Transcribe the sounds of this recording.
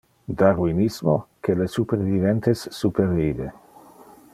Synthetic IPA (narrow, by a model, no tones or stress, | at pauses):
d̪aruinismokelesupeɾvident̪esːupervive